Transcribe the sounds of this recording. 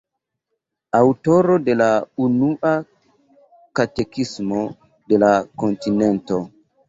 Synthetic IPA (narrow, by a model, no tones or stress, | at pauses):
awtoɾode̞launuʔa | katekismo | de̞lakontinento